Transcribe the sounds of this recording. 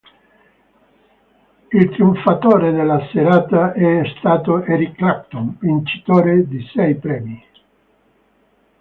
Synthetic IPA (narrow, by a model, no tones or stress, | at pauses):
ilt̪ɾiuɱfat̪oːɾed̪elːaseɾaːt̪aʔɛst̪aːt̪oɛɾikːlapt̪onvint͡ʃi̥t̪oːɾed̪isɛjpɾɛːmi